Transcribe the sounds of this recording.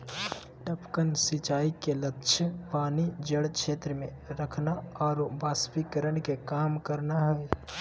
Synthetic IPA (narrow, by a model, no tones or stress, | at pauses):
ʈəpkənsɪt͡ʃaːikelətːʃʰəpaːnid͡ʒəɽkʃeːt̪ɾəmẽ | ɾəkʰnaɔːɾbaːspikəɾənkekaːmkəɾnaɦɛː